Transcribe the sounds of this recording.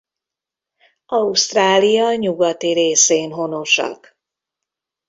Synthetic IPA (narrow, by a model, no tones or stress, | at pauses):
ɒust̪raːlijɒɲuɡɒt̪iɾeːseːnɦo̞no̞ʃɒ̰k